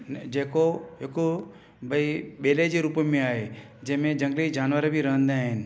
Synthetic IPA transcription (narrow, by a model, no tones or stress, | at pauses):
d͡ʒeːkoeko | bʱəibeːled͡ʒeɾupmẽaːe | d͡ʒeɦmẽd͡ʒɐ̃ŋɡlid͡ʒaːnʋəɾebʱiɾəɦə̃nd̪eaːɦɪn